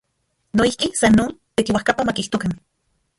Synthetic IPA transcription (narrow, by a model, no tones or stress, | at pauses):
noihkisanːoːnt̪ekiwahkapamakiht̪okan